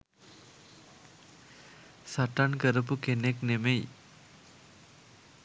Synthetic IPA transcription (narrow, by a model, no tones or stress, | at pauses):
saʈankəɾəp̬ukeneknemej